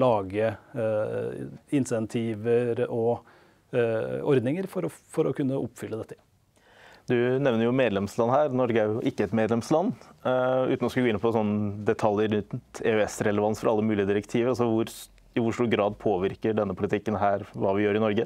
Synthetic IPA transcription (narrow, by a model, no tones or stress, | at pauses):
lɑːɡə | ɪnsɛnt̪ʰiːʋəɾɔ | ɔɾd̪nɪŋəɾfɔɾɔfɔɾɔkʉnːəʔɔpfʏlːəd̪ɛt̪ːə | d̪ʉnɛʋnəɾjʊmeːd̪lɛmslɑnhæːɾnɔɾɡəæɾjʊʔɪkːəɛt̪meːd̪lɛmslɑnː | ʉ̰ːt̪nɔskɑɡoːɪnːəpʰɔsɔnːd̪ɛt̪ʰɑljəɾʏt̪nt̪ɛœɛsɾɛləʋɑnsfɔɾɑlːəmʉːlɪəd̪ɪɾəkt̪ʰiːʋəɾɑsɔʋʊɾ | ɪʋʊʂʈuːɾɡɾɑːd̪pʰoːʋɪɾkəɖɛnːəpʰʊlɪt̪ʰɪkːənɦæːɾʋɑːʋɪjøːɾɪnɔɾɡə